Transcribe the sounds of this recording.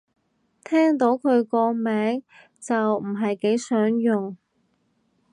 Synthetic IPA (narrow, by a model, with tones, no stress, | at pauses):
t̪ʰɛː˥ŋt̪o˨˥wkʰɵ˨˧ɥkɔː˧mɛː˨˥ŋ | t͡sɐ˨wm̩˨˩ɦɐ˨jke˨˥jsœː˨˥ŋjʊ˨ŋ